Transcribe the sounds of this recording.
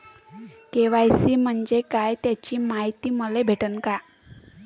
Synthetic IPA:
keʋajsiːm̤əɳd͡ʑekajt̪jat͡ɕiːmaɦit̪iːməlebʱeʈənka

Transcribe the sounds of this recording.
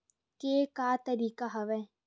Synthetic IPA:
keːkaːt̪ɐɾiːkaɦɐʋɛ

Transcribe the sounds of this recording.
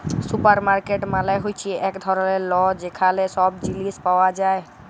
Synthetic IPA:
supəɾmaɾkeʈmãlajɦojt͡ʃʰiɛʔekd̪ʱɔɾɔlelɔd͡ʒekʰalesɔbd͡ʒilispawad͡ʒae

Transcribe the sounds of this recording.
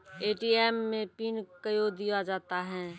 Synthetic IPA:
eːʈiːɛːmːẽpiːnkəjod̪ijad͡ʒaːt̪aɦɛ̃ː

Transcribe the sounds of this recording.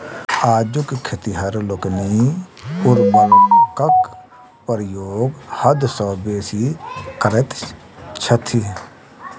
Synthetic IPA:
aːd͡ʒʊkkʰːɪt̪iɦɐɾlʊknipʊɾbəlkək | pəɾjoːɡhɐd̪sɔːbeːsikəɾet̪ | t͡ʃʰət̪ʰi

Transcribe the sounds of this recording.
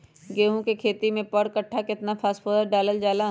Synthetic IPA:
ɡeːɦũkekʰeːt̪imẽpəɽkɐʈʰːakɪt̪napʰaːspoːd̪əɾɖaːləld͡ʒaːla

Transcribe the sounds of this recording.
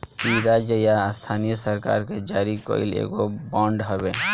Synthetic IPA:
kiɾad͡ʒjəjast̪ʰanijosəɾka̰ɾked͡ʒaɾikɔ̰ḭlḛɡobɔ̃ɳɖɦɔbe

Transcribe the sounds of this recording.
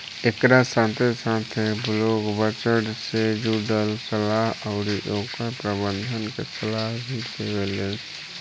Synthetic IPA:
ekɾasãːt̪ʰesãːt̪ʰebloːɡbət͡ʃəɽsed͡ʒuɖəlsəlaːɦəʊɾiʔoːkapɾəbənd̪ʱənkesəlaːɦbʱit̪ʰeʋeːles

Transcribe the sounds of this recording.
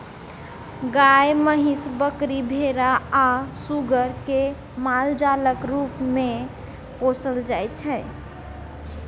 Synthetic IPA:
ɡajməɦisbəkɾibʱeɾaasuɡəɾke | mald͡ʒaləkɾupme | kosəld͡ʒajt̪t͡ʃʰɛ

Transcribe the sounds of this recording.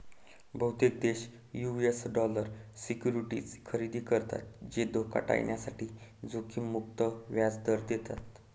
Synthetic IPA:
bʱəwt̪ek̚d̪eɕ | juesɖɔləɾsikjuɾiʈiːt͡skʰəɾid̪iːkəɾt̪a̰t̪̚d͡ʑed̪oka̰ʈa̰jɳjasaʈiːd͡zokʰiːmuk̚t̪əʋjad͡zd̪əɾd̪et̪at̪

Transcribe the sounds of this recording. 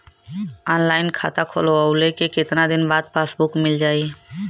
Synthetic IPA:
aːnlaːɪnkʰa̰ːt̪akʰo̰ːloaʊlekekɪt̪nad̪ɪnbaːd̪̚paːsbʊkmɪld͡ʒaːiː

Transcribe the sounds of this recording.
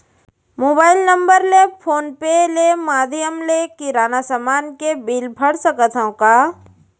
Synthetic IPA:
moːbaːɪlnə̃mbəɾlepʰoːnpelemaːd̪ʱjəmlekiɾaːnasəmaːnkebilbʱəɽsəkət̪ʰɦə̃kaː

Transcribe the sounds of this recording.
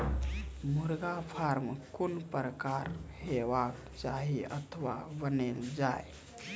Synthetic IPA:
muɾɡapʰaɾmkunpɾəkaɾheʋak | t͡ʃaɦiət̪ʰəʋa̰bəneld͡ʒae

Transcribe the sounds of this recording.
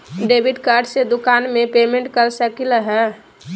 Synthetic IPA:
ɖebʱiɖkaɾɖsed̪ukanmepemẽɳʈkəɾsəkilɦɛː

